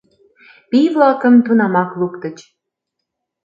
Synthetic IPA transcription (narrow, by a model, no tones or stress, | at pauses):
pijβlɑkə̆mt̪unɑmɑklukt̪ə̆t͡ɕ